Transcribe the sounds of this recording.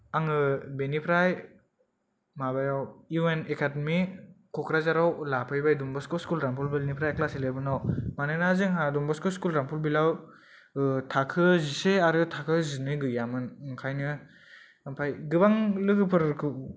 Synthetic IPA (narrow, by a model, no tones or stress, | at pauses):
aŋɯbenipʰɾaj | mabajawuenekʰademikʰɔkɾazaɾawlapʰajbajdumbaskɔskulɾampʰulbilnipʰɾajklasilebɯnawmanɯnazɯŋɦadumbaskɔskulɾampʰulbilaw | tʰakʰɯziseaɾɯtʰakʰɯzinɯɡɯjamɯnkʰajnɯ | pʰajɡɯbaŋlɯɡɯpʰɯɾkʰɯ